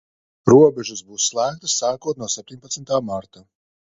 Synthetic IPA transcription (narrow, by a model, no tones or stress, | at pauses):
ɾuɔbʲɛʒuzbuːsslˠæːk̚t̪asːaːkuɔt̪̚nuɔsɛp̚ʲt̪ʲiɲʲpat̪sʲmʲt̪aːmaɾt̪a